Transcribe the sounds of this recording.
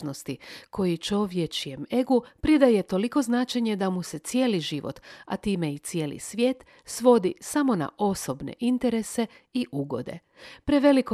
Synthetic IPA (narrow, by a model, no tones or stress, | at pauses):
no̞st̪ikʰo̞jit͡ʃo̞ʋjet͡ʃieme̞ɡupɾid̪aje̞t̪o̞liko̞znaːt͡ʃeɲe̞d̪amuse̞t̪sje̞ːliʒiʋo̰t̪a̰t̪iːme̞it̪sje̞ːlḭsʋʲje̞ːt̪ | sʋo̞d̪isamo̞na̰ʔo̞so̞bnḛʔint̪e̞ɾe̞se̞ | iʔuɡo̞̰d̪e̞̰ | pɾeʋe̞liko